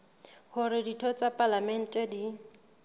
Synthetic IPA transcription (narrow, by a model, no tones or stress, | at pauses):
hʊɾɪditʰɔt͡sʼapʼalamɛn̩tʼɛdi